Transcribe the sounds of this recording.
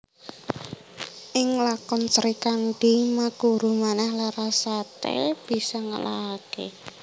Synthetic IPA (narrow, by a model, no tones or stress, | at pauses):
ʔɪŋlakɔnsəɾikanɖ̥imakuɾumanahlaɾasat̪ɛ̰b̥i̤sɔŋə̰lakḛ